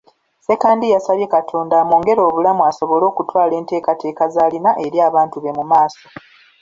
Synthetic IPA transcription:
se̞kaːndijasalje̞katʰo̞ːndamuːŋɡe̞ɾo̞ːβulamuaso̞βo̞lo̞ːkutwaːle̞ːnte̞ːkate̞ːkazaːlinaʔe̞ɾjaːβaːntuβe̞mumaːso̞

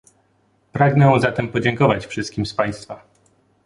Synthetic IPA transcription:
pɾaɡnɛ̃zat̪ɛmpɔd͡ʑɛŋkɔvat͡ɕfʂɘst̪̚kʲimspaj̃st̪fa

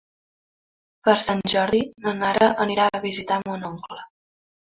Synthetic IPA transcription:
pəɾsanʲʒɔɾðinənaɾəʔəniɾaəβizit̪amonoŋklə

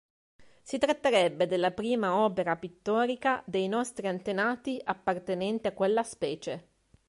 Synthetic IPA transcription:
sit̪ɾat̪ːeɾɛbːed̪elːapɾiːmaɔːpeɾapit̪ːɔːɾikad̪ejnɔst̪ɾiant̪enaːt̪iʔapːart̪enɛnt̪iakːwelːaspɛːt͡ʃe

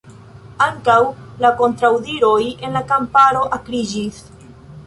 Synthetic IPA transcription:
aŋkawlako̞ntɾawdiɾo̞je̞nlakampaɾo̞ʔakɾid͡ʒis

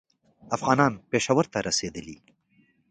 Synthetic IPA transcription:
afɣɑːnɑːnpeːʃawəɾt̪aɾɐsed̪əlḭ

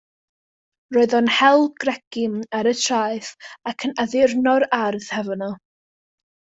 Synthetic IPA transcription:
roːɨðɔnhɛlˠɡ̥rɛɡɪmaɾətʰraːjθakʰənaðɪrnɔɾarðhɛvənɔ

